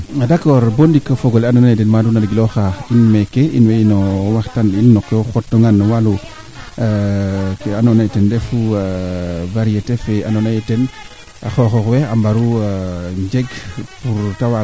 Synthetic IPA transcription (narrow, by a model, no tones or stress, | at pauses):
adakoɾbondikːafoɡolanonajetenmadunaɾɡiloxainmekeḭnweinowaxtaninːokːoxotːoŋanwalu | anonajtendefu | vaɾijetefeanonajeten | a̰xoxoxweambaɾu | ɲd͡ʒeɡpuɾtawa